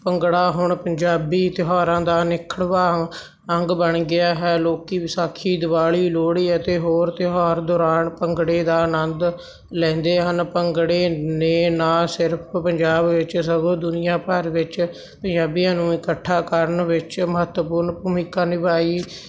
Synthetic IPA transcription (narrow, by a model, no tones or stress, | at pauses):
pəŋɡɽaːɦʊɳpəɲd͡ʒaːbiːt̪ɪɦaːɾãːd̪aːnɪkʰəɽʋaː | əŋɡbəɳɡɪaːɦɛːloːkiːsaːkʰiːd̪ɪbaːɭiːloːɽiːət̪eːɦoːɾt̪ɪɦaːɾd̪ɔːɾaːnpəŋɡɽeːd̪aːnənd̪ | lɛ̃ːnd̪eːɦənpəŋɡɽeːneːnãːsɪɾpʰpəɲd͡ʒaːbʋɪt͡ʃsəɡõːd̪ʊnɪjãːpəɾʋɪt͡ʃ | pəɲd͡ʒaːbijãːnũːɪkəʈʰːaːkəɾənʋɪt͡ʃməɦət̪wəpʊɾnpuːmɪkːaːnɪʋaːiː